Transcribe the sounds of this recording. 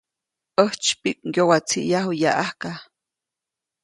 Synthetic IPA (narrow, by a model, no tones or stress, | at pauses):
əht͡ʃpik̚ʼjowat͡sʰḭʔjaɦujaʔahka